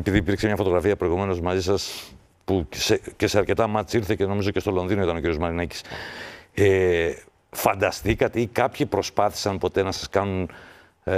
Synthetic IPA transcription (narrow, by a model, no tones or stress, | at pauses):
epiðiːpiɾkse̞mɲɐfo̞t̪o̞ɣɾɐfiɐpɾo̞iɣume̞no̞zmɐzisɐs | pusece̞se̞ɐɾce̞t̪ɐmɐt̪siɾθece̞no̞mizo̞ce̞st̪o̞lo̞nðinoit̪ɐnociɾijo̞zmɐɾinɐci̥s | e | fɐnd̪ɐst̪ikɐt̪eikɐpçipɾo̞spɐθi̥sɐnpo̞t̪e̞nɐsɐ̥skɐnun